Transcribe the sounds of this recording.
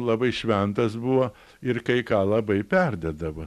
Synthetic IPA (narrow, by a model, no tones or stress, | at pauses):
lˠɐbɐɪʃʲʋʲɛnt̪ɐsbuʋoː | ɪrkɐɪkɑːlˠɐbɐɪpʲɛrʲd̪ʲɛd̪ɐʋo